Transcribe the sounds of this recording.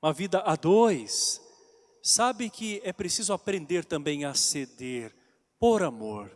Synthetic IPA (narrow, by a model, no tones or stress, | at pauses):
ɐvid̪ɐʔad̪ojsː | abɪkɪɛpɾesizʊapɾẽnd̪eɾt̪ɐ̃mbẽj̃ɐsed̪eɾ | poɾamoɾ